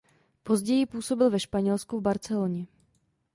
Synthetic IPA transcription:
po̞zɟɛjɪpuːso̞bɪlvɛʃpaɲɛlskuvbaɾt͡sɛloɲɛ

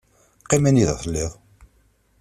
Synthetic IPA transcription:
qːimæniðθlːɪʁˤ

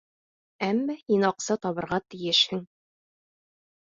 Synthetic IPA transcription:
æmːæinɑqsɤt̪ɒβɤ̆ɾʁɑt̪ĭjɘʃhɘŋ

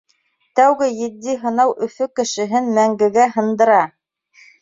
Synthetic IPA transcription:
t̪æwɡɘjɘ̆d̪ːiɦɤ̆nɑwʔɵ̆fɵkɘ̆ʃɘ̆ɦɘnmæŋɡɘ̆ɡæɦɤ̆nd̪ɤ̆ɾɑ

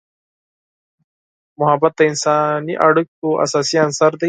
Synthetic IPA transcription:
mʊɦɐbɐt̪̚ːainsaːniʔɐɽuk̚kuʔɐ̰saːsiansaɾd̪ɐ

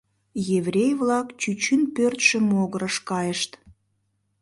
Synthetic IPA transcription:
jevrʲejvlɑkt͡ɕyt͡ɕynpørt̪ʃə̆moɣəɾəʃkɑjəʃt̪

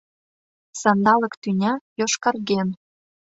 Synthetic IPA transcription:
sɑnd̪ɑlɤ̆kt̪ynʲɑjoʃkɑrɣen

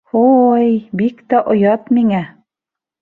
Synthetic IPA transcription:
ojbikt̪æʔŏjɑt̪miŋæ

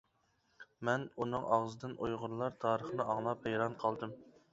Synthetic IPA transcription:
mɛnunɨŋʔɑʁzɨd̪ɨnʔojʁʊɾlˠɑɾt̪ʰɑːɾəχnɨɑŋlˠɑphejɾɑnqʰɑlˠd̪ɨm

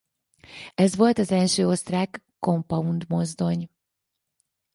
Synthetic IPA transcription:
ɛzʋo̞lt̪ɒzɛlʃøːo̞st̪raːkːo̞mpɒund̪mo̞zd̪o̞ɲ

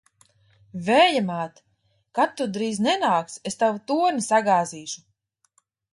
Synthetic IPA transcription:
vɛːjamaːt̪ | kat̪ːud̪ɾiːznɛnaːksest̪awut̪uɔɾnisaɡaːziːʃu̥

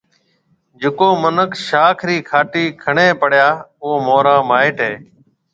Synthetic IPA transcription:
d͡ʒɪkoːmənəkʃaːkʰɾiːkʰaːʈiːkʰəɳeːpəɽ̤jaːoːmoːɾãːmaːɪːʈɦeː

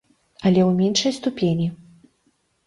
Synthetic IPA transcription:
ɐlʲɛwmʲenʂɐjst̪upʲenʲi

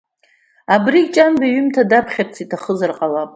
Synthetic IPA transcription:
abrikt͡ʃʼanbaɥʏmtʰadapʰχʲart͡sʰitʰaχəzarqʼalapʼ

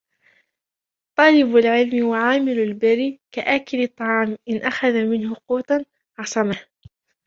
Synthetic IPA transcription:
t̪ˤɑːlɪbalʕɪlmwaʕaːmɪlalbaɾiːkaʔaːkɪlɪt̪ˤːɑʕɑːmʔɪnʔaxaðamɪnhʊquːt̪ˤan | ʕɑsˤɑmah

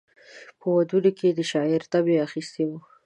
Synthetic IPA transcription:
pəwad̪uloked̪əʃɑɪɾt̪abeaxist̪ewu

